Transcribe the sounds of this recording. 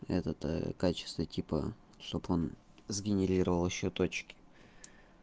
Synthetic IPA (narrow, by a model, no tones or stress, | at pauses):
ɛ̰t̪ət̪ə̰kat͡ɕɪ̥st̪vətʲipə̰ | ʂt̪o̞bo̞n | zɡʲɪnʲɪɾʲiɾəvəlˠɪɕːot̪ot͡ɕkʲɪ̥